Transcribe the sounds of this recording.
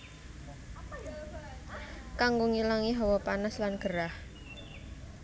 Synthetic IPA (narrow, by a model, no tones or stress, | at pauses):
kaŋɡoŋilaŋiɦɔwɔpanaslanɡ̥əɾah